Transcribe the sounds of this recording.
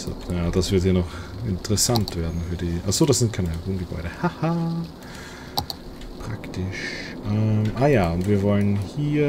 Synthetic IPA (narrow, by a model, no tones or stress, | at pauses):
so̰jaːd̥asv̥ɪɐthiːɐnɔχɪ̰ntəʁɛsantv̥eːɐdn̩fyːɐdiːʔa̰χz̥oːɾdaszɪnt̚kʰaɪnəʁoːnɡəb̥ɔ̰ʏɾəhahaː | pʁ̥a̰ktɪʃʔɛmʔaːjaːʊntviːɐvɔlənhiːɐ